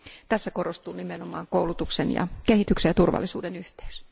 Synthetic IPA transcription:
t̪æsːækorost̪uːnimenomɑ̰ːŋkoulut̪uksenjɑ̰kehit̪yksejjɑt̪urʋɑ̰lːisṵːdenyht̪e̥ys

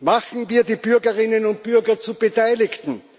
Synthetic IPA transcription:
maxn̩viːɐdiːb̥ʏɐɡɐʁɪnənʊnt̚b̥yɐɡɐt͡sub̥etaɪlɪkt̪n̩

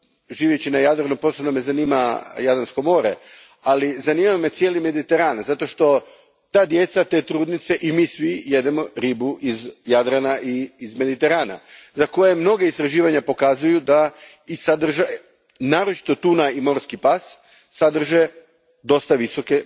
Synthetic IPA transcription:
ʒiːʋjet͡ɕinajad̪ɾanupo̞sebnome̞zaniːmajad̪ɾansko̞mo̞ːɾe | alizaniːmame̞t̪sje̞lime̞d̪it̪e̞ɾaːnzat̪o̞ʃt̪o̞ | t̪aːd̪je̞t̪sat̪e̞t̪ɾuːd̪nit̪se̞ʔimiːsʋije̞d̪emo̞ɾiːbuʔizjad̪ɾanaʔiːzme̞d̪it̪e̞ɾaːna̰zako̞jemno̞ɡeist̪ɾaʒiːʋaɲapo̞kazujud̪a | isad̪r̩ʒa | naːɾot͡ʃi̥t̪o̞t̪unaimo̞ɾskipasː | ad̪r̩ʒe | d̪o̞st̪aʋiso̞ke̞

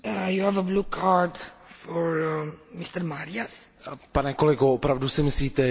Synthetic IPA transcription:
juævəblukʰaɾdfɔɾmɪst̪əɾmaɾɪaspanɛkolɛɡoopɾavdusɪmɪsliːt̪ɛ

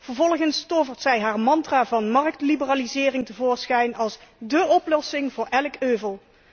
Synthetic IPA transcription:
v̥əɹvɔlˠχənstɔvəɹtsɛjɦaːɹmɑntraːvɑnmɑrk̚tlibəraːlizɪːrɪŋtəvoːɹsχɛjnɑlˠsdəɔplɔsɪŋvʊːɹɛlkøːvəlˠ

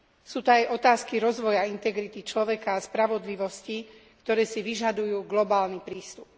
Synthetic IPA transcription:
suːt̪ɔajɔt̪aːskiɾɔzʋɔjaint̪ɛɡɾit̪it͡ʃlɔʋɛkaːspɾaʋɔd̪liʋɔscikt̪ɔɾɛːsiʋiʒad̪ujuːɡlɔbaːlnipɾiːst̪up̚

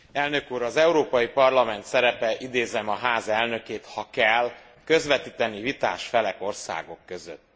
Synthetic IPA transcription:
ɛlnø̞kuːɾɒzɛuɾoːpɒjipɒrlɒmɛnt̪sɛɾɛpɛʔid̪eːzɛmɒɦaːzɛlnø̞keːt̪hɒkɛlː | kø̞zʋɛt̪iːt̪ɛnivit̪a̰ːʃfɛlɛko̞rsa̰ːɡo̞kːøzø̰t̪ː

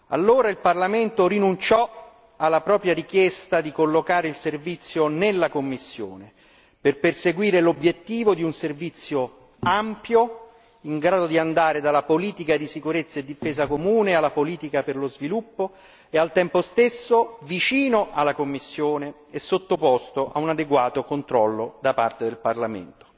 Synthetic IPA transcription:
a̰lːoːɾailparlament̪oɾinunt͡ʃɔ | alːapɾɔːpɾjaɾikjɛst̪ad̪ikolːokaːɾeilservit̪sːjonelːakomːisːjo̰ːne | perperseɡwiːɾelobjet̪ːiːvod̪iunservit̪sːjo | ampjo | iŋɡɾaːd̪od̪iand̪aːɾed̪alːapoliːt̪ikad̪isikuɾet̪sːaed̪ːifeːzakomuːnealːapoliːt̪ikaperlozvilupːo | ealt̪ɛmpost̪esːovit͡ʃiːnoʔalːakomːisːjoːneː | sːot̪ːopɔst̪oʔa̰unad̪eɡwaːt̪okont̪ɾɔlːod̪apart̪ed̪elparlamḛnt̪o̥

